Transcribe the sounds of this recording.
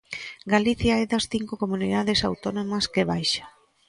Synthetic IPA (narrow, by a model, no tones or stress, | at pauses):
ɡaliθjaɛðɐsθiŋkʊkomuniðaðesawt̪onomɐskeβajʃḁ